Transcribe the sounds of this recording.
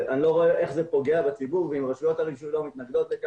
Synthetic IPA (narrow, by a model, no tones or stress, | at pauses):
ʔanilo̞ʁo̞eʔe̞χze̞po̞ɡe̞abet͡sibuʁveimʁaʃujo̞taʁiɡʃulomit̪naɡd̪o̞t̪leka